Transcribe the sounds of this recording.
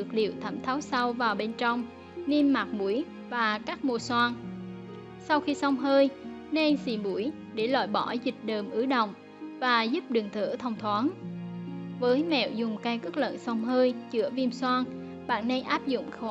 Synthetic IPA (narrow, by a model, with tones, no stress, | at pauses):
ɨ˨˩k̚lḭ˧˨əwt̪ʰə˧˩mt̪ʰaː˨˦wsa˧wvaː˨˩wɓe˧nt͡ɕɔ˧wŋ͡m | ni˧mːa˨˩t̚mu˧˩əj | vaː˨˩kaː˦˥k̚mo˧˩swaː˧n | sa˧wxi˧sɔ˧wŋ͡mɦəː˧j | ne˧jsḭ˧˨˩mu˧˩əj | ɗe˧˩lɔ̰˧˨jɓɔ˧˩zï˨˩k̟̚ɗəː˨˩mʔɨ˨˦ɗə̰˧˨wŋ͡m | vaː˨˩zʊ˦˥p̚ɗɨ˨˩ŋt̪ʰɨ̰˧˩˥t̪ʰə˧wŋ͡mt̪ʰwaː˨˦n | vəː˨˦jmɛ̰˧˨wzʊ˨˩ŋ͡mka˧jwkə˦˥k̚lə̰˧˨nsɔ˧wŋ͡mɦəː˧jt͡ɕɨ̰˧˥əvi˧əmswaː˧n | ɓa̰ː˧˨nnə˧jʔaː˦˥p̚zʊ̰˧˨ŋ͡mxɔ˧˨